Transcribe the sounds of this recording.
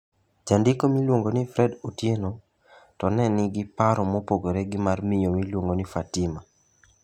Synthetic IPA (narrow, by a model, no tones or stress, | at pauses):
d͡ʒandɪkomilwoŋɡonɪfɾɛdotjeno | tɔnɛnɪɡɪpaɾɔmɔpoɡoɾeɡɪmarmɪjomilwoŋɡonifatɪma